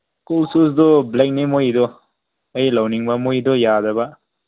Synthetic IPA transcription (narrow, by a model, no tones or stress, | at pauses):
kulsus̬doblek̚nimojdɔ | ɐjlɐwniŋbɐmojdɔjadɐbɐ